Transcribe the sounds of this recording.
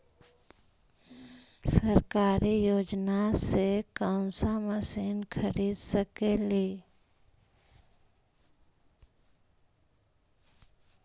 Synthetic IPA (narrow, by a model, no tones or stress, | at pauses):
səɾkaːɾijoːd͡ʒnasekãʊnsaməsiːnkʰəɾiːd̪səkeleː